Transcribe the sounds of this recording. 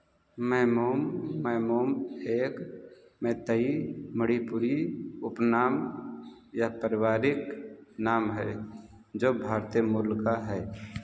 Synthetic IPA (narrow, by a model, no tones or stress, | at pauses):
mɛːmoːmːɛːmoːmeːk | mẽt̪əiməɽipʊɾiʊpnaːm | japəɾɪwaːɾɪknaːmɦɛ | d͡ʒoːbʱaːɾt̪ijmulkaɦɛː